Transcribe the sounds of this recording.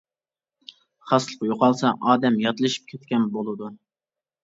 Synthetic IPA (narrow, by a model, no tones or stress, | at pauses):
χɑslˠəqjoqɑlˠsɑʔɑːd̪ɛmjɑt̪lˠɨʃi̥p̚kʲʰet̪̚kʲɛnbolˠɨd̪u